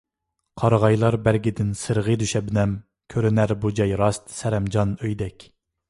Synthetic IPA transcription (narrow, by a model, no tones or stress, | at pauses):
qʰɑɾʁɑjlˠɑɾbæɾɡʲɪd̪ɪnsɨɾʁəd̪yʃɛbnɛm | kʲʰøɾɪnæɾbud͡ʒɑjɾɑst̪sɛɾɛmd͡ʒɑnøjd̪ɛkʲ